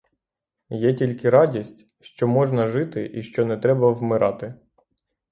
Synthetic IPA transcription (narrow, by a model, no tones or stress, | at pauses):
jɛtʲilʲkɪɾɑdʲisʲtʲ | ʃt͡ʃɔmɔʒnɐʒɪt̪ɪʔiʃt͡ʃɔnɛt̪ɾɛbɐwmɪɾʔɑ̰t̪ɪ